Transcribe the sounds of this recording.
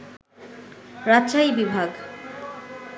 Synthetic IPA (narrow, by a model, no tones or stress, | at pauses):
ɾatːɕajbibʱaɡ